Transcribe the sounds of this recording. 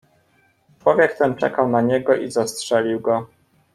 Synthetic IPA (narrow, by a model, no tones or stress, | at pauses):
t͡ʂwɔvʲjɛkt̪ɛnt͡ʂɛ̰kawnaɲɛɡɔʔizastʂɛlʲiwɡɔ